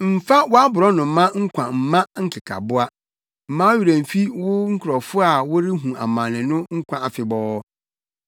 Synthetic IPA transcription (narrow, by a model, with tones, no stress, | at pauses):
m̩˨fa˦wʊ˦a˦bʊ˨ɾɔ˦nʊ̃˨˦mã˦ŋ̩˦kʰʷã˨m̩˨mã˦ŋ̩˦kʰɪ˨kʰa̰˨bʊ˦a˦ | m̩˨mãː˦ɥi˨ɾã˨m̩˨fi˦wʊ˦ŋ̩˦kʰɾɔ˨fʊ˦a˨wʊ˦ɾɪ˦ɦũ˨a̰˨mã˨nɪ̃˨nʊ̃˦ŋ̩˦kʷʰã˨a˨fɪ˨bɔː˦